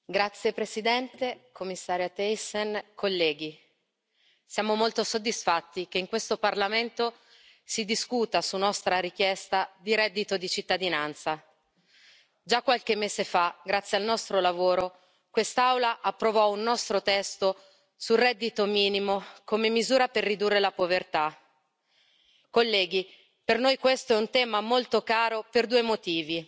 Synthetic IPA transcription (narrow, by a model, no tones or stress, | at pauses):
ɡɾat̪sːjepɾesid̪ɛnt̪ekomːisːaːɾjat̪ɛjsenkʰolːɛːɡi | sjaːmomolt̪osod̪ːisfat̪ːikeiŋkwest̪oparlament̪o | sid̪iskut̪asunːɔst̪ɾaɾik̟jɛst̪ad̪iɾɛd̪ːit̪od̪it͡ʃit̪ːad̪inant̪sa | d͡ʒakːwalk̟emːeːzefaɡɾat̪sjalnɔst̪ɾolavoːɾo | kwest̪awlaʔapːɾovɔunːɔst̪ɾot̪ɛst̪o | surɛd̪ːit̪omiːnimokomemːizuːɾaperːid̪urːelapovert̪a | kolːɛːɡi | pernojkwest̪oɛunt̪ɛːmamolt̪okaːɾoperd̪uːemot̪iːvi